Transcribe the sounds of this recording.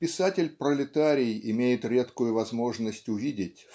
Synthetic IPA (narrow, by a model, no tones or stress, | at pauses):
pʲɪsatʲɪlʲpɾəlʲɪt̪aɾʲɪjɪmʲejɪt̪ɾʲe̞t̪kʊjʊvɐzmo̞ʐnəsʲtʲʊvʲidʲɪtʲ